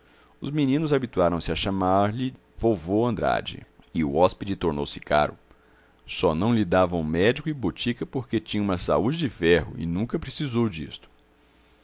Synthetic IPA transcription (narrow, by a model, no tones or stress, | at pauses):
ʊzminĩnʊzabit̪uaɾɐ̃w̃sɪɐʃamaɾlɪ | vowvoɐ̃nd̪ɾa̰d͡ʒɪ̰ɪʊ̰ɔsped͡ʒɪt̪oɾnowsɪ̥ka̰ɾʊ̰ | sɔnɐ̃w̃lid̪avɐ̃w̃ũmɛd͡ʒikʊɪbot͡ʃikɐpoɾket͡ʃĩɲɐ̃ũmɐsa̰ud͡ʒɪd͡ʒɪfɛhʊ̰ɪ̰nũkɐpɾesizowd͡ʒist̪ʊ̥